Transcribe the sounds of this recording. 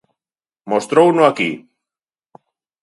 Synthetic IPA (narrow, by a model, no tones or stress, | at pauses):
most̪ɾownoaki